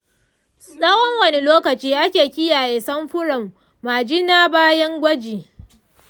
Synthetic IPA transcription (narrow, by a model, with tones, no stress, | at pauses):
sʼɐ˦wɔ˦ŋwɐ˦˨ni˦loː˦kɐ˨t͡ʃiː˦ʔa˦kʲeː˨kʲɪ˦jaː˨jeː˨sɐ˦mɸʊ˦ɽɐ˨mː | aː˨d͡ʒi˦naː˦baː˦jɐ˦ŋɡʷɐ˦d͡ʒiː˨